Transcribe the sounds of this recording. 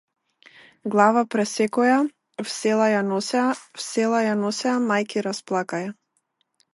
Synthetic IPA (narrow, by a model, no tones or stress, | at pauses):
ɡlˠavapɾɛsɛkɔja | fsɛlˠajanɔsɛafsɛlˠajanɔsɛamajkiɾasplˠakaja